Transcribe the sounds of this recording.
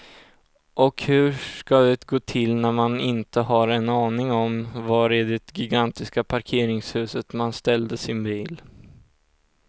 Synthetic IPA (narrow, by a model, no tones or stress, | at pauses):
ʔɔkhɵ̟ʂkad̪ɛt̪ɡoːt̪ʰɪlnæɾmanɪnt̪əɦaɾɛnːɑːnɪŋɔmvaɾɛd̪ɛt̪ɡɪɡant̪ɪskapʰaɾkʰeːɾɪŋshʉ̟ːsət̪manst̪ɛld̪əsɪnbiːl